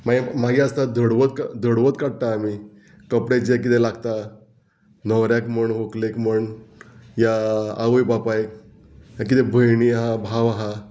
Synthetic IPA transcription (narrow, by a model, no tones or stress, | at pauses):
maemaɡiast̪ad̪ʱəɽʋət̪̚kad̪ʱəɽʋət̪kaɽt̪aːmi | kəpɽed͡ʑek̬it̪elaɡt̪a | nəwɾjakməɳɦoklekməɳ | jaa̰ʋəjbapajk̚ | jak̬it̪ɛbʱəjɳiaɦãbʱaʋaɦã